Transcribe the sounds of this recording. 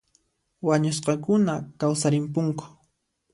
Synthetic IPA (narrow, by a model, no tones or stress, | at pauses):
waɲosqɑkʊnakawsaɾɪmpʊŋkʊ̥